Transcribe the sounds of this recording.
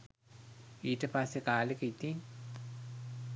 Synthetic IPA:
iːʈəpasːekaːlekəit̪iŋ

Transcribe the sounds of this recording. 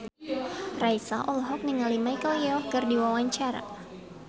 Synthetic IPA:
raisaʔɔlɦɔk̚niŋalimaikɔɔkɨrdiwawaɲt͡ʃaɾa̰

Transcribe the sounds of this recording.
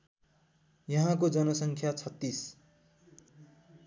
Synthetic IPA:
jʌɦãkod͡zʌnʌsʌŋkʰjat͡sʰʌt̪ːis

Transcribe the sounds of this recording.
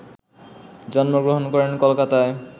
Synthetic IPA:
d͡ʑɔnmoɡɾoɦonkɔɾenkɔlkat̪ae

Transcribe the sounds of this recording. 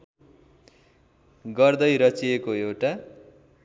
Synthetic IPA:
ɡʌrd̪ʌjɾʌt͡siekoewʈa

